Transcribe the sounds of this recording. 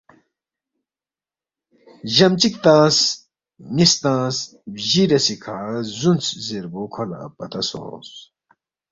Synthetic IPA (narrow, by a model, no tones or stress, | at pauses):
ʑɐmt͡ɕik̚t̪aːs | nist̪ãːs | ʑiɾɐsikʰaːzunt͡szeɾbokʰola̰pɐt̪ɐso̰s